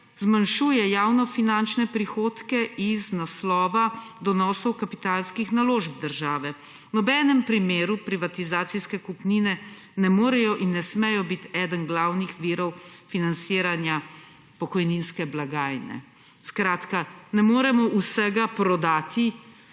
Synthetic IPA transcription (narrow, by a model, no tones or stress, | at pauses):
zmanʃuːjɛjaːwnɔfinant͡ʃnɛpɾixoːt̪kɛʔiznaslɔːʋad̪ɔnɔːsɔwkapi̥t̪aːlskixnaloːʒb̚d̪əɾʒaːʋɛ | nɔbɛːnɛmpɾimeːɾupɾiʋat̪izaːt̪siskɛkupninɛ | nɛmoːɾɛjɔʔinːɛsmɛjɔbit̪ɛːd̪ənɡlawnixʋiːɾɔwfinant̪siːɾanja | pɔkɔjninskɛblaɡaːjnɛ̰ | skɾaːt̪kanɛmoːɾɛmɔʔusɛɡapɾɔd̪aːt̪i